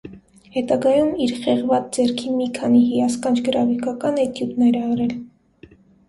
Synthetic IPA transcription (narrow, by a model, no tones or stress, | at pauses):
hɛt̪ɑɡɑjumiɾχɛʁvɑt͡sd͡zɛɾkʰimikʰɑniɦijɑskɑnt͡ʃʰɡəɾɑfikɑkɑnɛt̪ʰjubnɛɾɛɑɾɛl